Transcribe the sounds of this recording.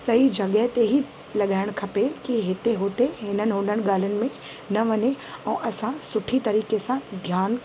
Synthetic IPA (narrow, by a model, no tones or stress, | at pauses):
sɐɦid͡ʒɐɡəɦt̪eɦi | lɐɠaːɪɽ̃kʰɐpekiɦɪt̪eɦoːt̪eɦɪnənɪ̆ɦõːnəñɠaːlʊnɪ̆mẽ | nɐʋɐneɛ̃ːʔɐsãsʊʈʰit̪ɐɾiːkesãd̪ʱjaːn